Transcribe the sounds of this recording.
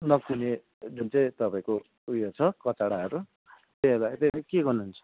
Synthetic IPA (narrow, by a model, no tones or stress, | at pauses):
nʌkune | d͡zunt͡sʌj̃t̪ʌpaĩko | ujot͡sʰʌkʌt͡saɽaɦʌɾu | t̪eɦʌbaet̪ekeɡʌrnuːnt͡sʰʌ̥